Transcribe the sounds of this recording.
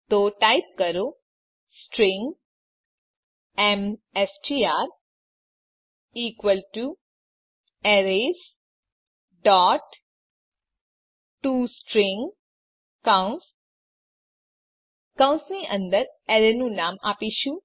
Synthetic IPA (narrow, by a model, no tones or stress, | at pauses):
t̪oʈaip̚kəɾo | sʈɾɪ̃ŋɡ | ɛmesʈiaːɾ | iːkwʋəlʈu | ɛɾes | ɖɔːʈ | ʈuːsʈɾɪ̃ŋɡ | kãns | kãʊ̃nsniʔə̃nd̪əɾɛɾenũnaːmaːpiʃũ